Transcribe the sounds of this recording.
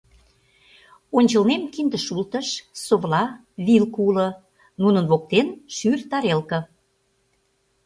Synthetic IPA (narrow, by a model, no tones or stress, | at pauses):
onʲt͡ɕəlnemkind̪əʃult̪əʃsoβlɑ | βilkulə̆ | nunə̆nβok̚t̪enʃyrt̪ɑɾelkə̆